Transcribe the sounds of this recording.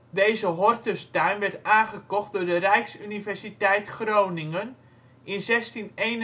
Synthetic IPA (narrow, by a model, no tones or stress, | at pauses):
dejzəɦɔrtəstœɥnʋɛrtaːnχəkɔχt̚dʊːɹdərɛjksynivɛrsitɛjtχrownɪŋən | ɪnzɛstinejn